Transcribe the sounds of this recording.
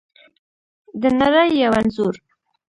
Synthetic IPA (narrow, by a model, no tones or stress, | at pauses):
d̪ənaɾajːawanzuɾ